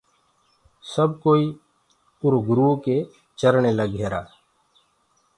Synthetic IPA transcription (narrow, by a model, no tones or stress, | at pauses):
səb̚koːiː | ʊɾoɡɾuːke | t͡ʃəɾɳeləɡeːɾa̰ː